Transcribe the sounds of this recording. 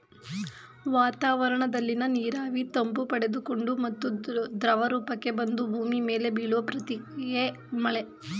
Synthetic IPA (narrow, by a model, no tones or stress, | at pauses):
ʋaːt̪aːʋɐɾɐɳɐd̪ɐlːinɐniːɾaːʋit̪ɐmbupɐɽe̞d̪uko̞ɳɖumɐt̪ːud̪ɾɐʋɐɾuːpɐkːe̞bɐnd̪ubʱuːmime̞ːle̞biːɭuʋɐpɾɐt̪ie | mɐɭe